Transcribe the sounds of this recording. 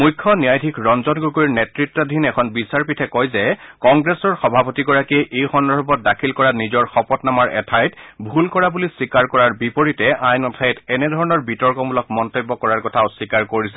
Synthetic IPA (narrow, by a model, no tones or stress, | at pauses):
mujkʰːɔnijajdʱikʰɹɔnzɔnɡukojɹnetɹitːɔdʱinɛkʰɔnbisaɹpitʰɛkɔjzɛkɔŋɡɹesɔɹxɔbʱapotiɡɔɹakeʔejxɔndɔɹbɔt̚dakʰilkɔɹanizɔɹxɔpɔtnamaɹɛ̰tʰajtbʱulkɔɹabulisikaɹkɔɹaɹbipoɹitɛʔajnɔtʰajtɛnɛdʱɔɹɔnɔɹbitɔɹkɔmulɔkmɔntobːɔkɔɹaɹkɔtʰaʊsikaɹkoɹisɛ